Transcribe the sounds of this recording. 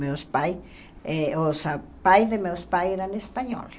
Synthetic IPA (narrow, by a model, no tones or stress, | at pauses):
mewspaj | eosapajðemewspajeɾanespaɲɔ̰l